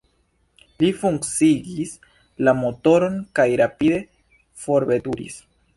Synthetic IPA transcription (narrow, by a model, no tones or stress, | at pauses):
lifuŋkt͡siɡis | lamo̞to̞ɾo̞nkajɾapid̪e̞ | fo̞ɾbe̞duɾḭs